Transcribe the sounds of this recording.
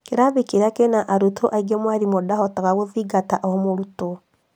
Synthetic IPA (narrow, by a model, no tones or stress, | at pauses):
keɾaβekeɾakenaʔaɾutʰoʔaiɡɛmwaɾimodahɔtaɣaɣoðiɡataʔɔmoɾuto